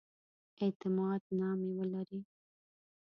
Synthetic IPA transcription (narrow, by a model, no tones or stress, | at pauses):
et̪ɪmɑd̪nɑmewəlaɾi